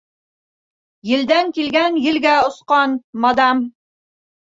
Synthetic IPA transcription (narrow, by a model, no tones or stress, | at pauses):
jɘ̆ld̪æŋkilɡænjɘ̆lɡæŏsqɑnmɑd̪ɑm